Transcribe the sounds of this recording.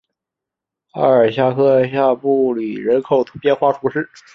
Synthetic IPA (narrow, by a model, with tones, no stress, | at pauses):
a̰˥˩ə˞˨˩ɕja˥˩kʰɤ˥ɕja˥˧pu˥˩li˨˩ɻə˧˥nkʰo˨˩ʊt̪ʰpjɛ˥˧nxwa˥ʈ͡ʂʰu˧˥ʂɻ̩˥˩